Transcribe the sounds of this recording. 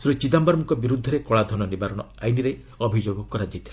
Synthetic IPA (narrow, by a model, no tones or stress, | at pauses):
sɾut͡ʃid̪ambaɾmukɔbiɾud̪ʱːɔɾekɔɭad̪ʱɔnɔnibaɾɔɽ̃ɔajniɾe | ɔbʱid͡ʒoɡɔkɔɾad͡ʒit̪ʰi̥l